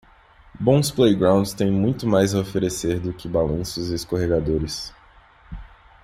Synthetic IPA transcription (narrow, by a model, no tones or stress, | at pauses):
bõw̃splejɡɾãw̃nd͡ʒst̪ẽj̃mũj̃t̪ʊmajzɐofeɾeseɾd̪ʊkɪbalɐ̃sʊzeskoɦeɡad̪oɾɪs